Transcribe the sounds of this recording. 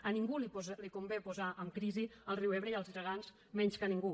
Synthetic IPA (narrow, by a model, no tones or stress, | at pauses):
əniŋɡulilikumbepuzaʔəmkɾiziəlˠriwɛβɾəiəlˠzirəɣanz | mɛɲskəniŋɡu